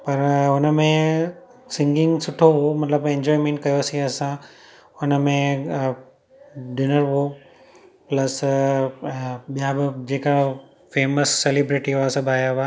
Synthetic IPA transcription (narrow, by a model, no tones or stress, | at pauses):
pɐɾʊnmẽ | sɪ̃ŋɡɪ̃ŋɡsʊʈʰoɦomɐt̪ləbẽɲd͡ʑɔːimẽːɳʈ̚kɐjosĩɐsã | ʊnəmẽ | ɖɪnəɾɦo | plɐs | ɓijãbɪd͡ʑeːka | feːməsːelibɾɪʈiɦasɐbaːjaɦa